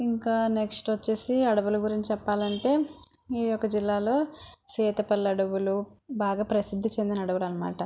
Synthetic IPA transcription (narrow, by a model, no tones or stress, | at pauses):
iŋkaːnekʂʈʋɐt͡ʃːe̞ːsiɐɽɐʋulɐɡuɾiɲt͡ʃːt͡ʃɛpːaːlɐɳʈe̞ː | ijɔkːɐd͡ʒilːaːlo̞ːsɛːt̪ɐpɐlːɐɽɐʋulubaːɡaːpɾɐsid̪ʱːit͡ʃe̞nd̪inɐɐɽɐʋulɐnːɐma̰ːʈɐ